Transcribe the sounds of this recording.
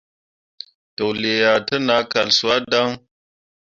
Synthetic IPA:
to˨wle˨ja˨tə˦na˨˦ka˨lsu˨˦a˦da˦ŋ

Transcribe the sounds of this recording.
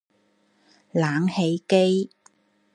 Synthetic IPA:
laː˨˥ŋhe˨˧˥jke˥j

